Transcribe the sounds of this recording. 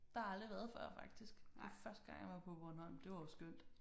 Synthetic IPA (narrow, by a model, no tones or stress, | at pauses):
d̥ɑ̈hɑ̈ɑld̥ʁiʋæɐð̩ˠfɶɐ̰fɑ̈ɡ̥̚d̥isɡ̥defɶɐsd̥əɡ̥ɑ̈ŋjɑ̈ʋɑ̈pʰɔ̽ʋɒnhɒ̽l̰m̩d̥e̝ʋɑ̈josɡ̥øn̰d̥